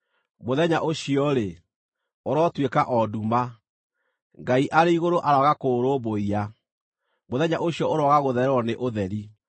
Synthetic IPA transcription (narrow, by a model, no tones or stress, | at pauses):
moðɛɲaʔoɕiɔɾe | oɾɔtwekaʔɔduma | ŋɡaiʔaɾeiɣoɾoʔaɾaɣakoːɾoβoia | moðɛɲaʔoɕiɔoɾɔɣaɣoðɛɾɔneʔoðɛɾi